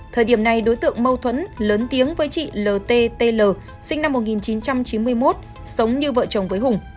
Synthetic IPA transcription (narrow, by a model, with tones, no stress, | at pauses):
t̪ʰəː˨˩jɗi˧˩əmna˨˩jɗo˨˦jt̪ɨ̰˧˨əŋmə˧wt̪ʰwə̰˧˥nləː˨˦nt̪i˨˦əŋvəː˨˦jt͡ɕḭ˧˨ləː˨˩t̪e˧t̪e˧ləː˨˩ | sï˧ŋ̟na˧mːo˨˩t̚ŋi˨˩nt͡ɕi˨˦nt͡ɕa˧mt͡ɕi˨˦nmɨ˧əjmo˦˥t̚ | sə˨˦wŋ͡mɲɨ˧və̰ː˧˨t͡ɕə˨˩wŋ͡mvəː˨˦jɦʊ˨˩ŋ͡m